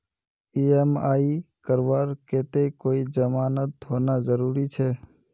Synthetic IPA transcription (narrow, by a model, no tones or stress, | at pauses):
iːɛmaːikəɾwaːɾkeːt̪ekoːid͡ʒəmaːnət̪ɦoːnazəɾuːɾit͡ʃʰɛː